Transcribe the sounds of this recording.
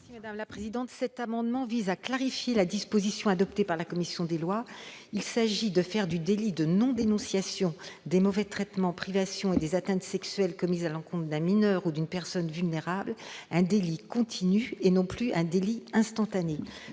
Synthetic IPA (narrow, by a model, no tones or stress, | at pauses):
simad̪amlapχezid̪ɑ̃t̪sɛt̪amɑ̃d̪mɑ̃vizaklaʁifjelad̪ispozisjɔ̃ad̪ɔp̚t̪epaʁlakɔmisjɔ̃d̪elwailsaʒid̪əfɛʁd̪yd̪elid̪ənɔ̃d̪enɔ̃sjasjɔ̃d̪emɔvɛt̪χɛt̪mɑ̃pχivasjɔ̃ed̪ezat̪ɛ̃t̪sɛksɥɛlkɔmizalɑ̃kɔ̃t̪χd̪ɛ̃minœʁud̪ynpɛʁsɔnvylneʁablɛ̃d̪elikɔ̃t̪ʰinyenɔ̃plyɛ̃d̪eliɛ̃st̪ɑ̃t̪ane